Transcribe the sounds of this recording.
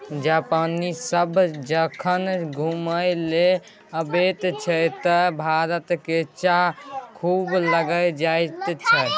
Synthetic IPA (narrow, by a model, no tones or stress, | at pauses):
d͡ʒapanisəbʱd͡ʒəkʰənɡʱuməjle | əbet̪t͡ʃʰət̪əbʱaɾət̪ket͡ʃakʰubləɡəjd͡ʒaɪt̪t͡ʃʰə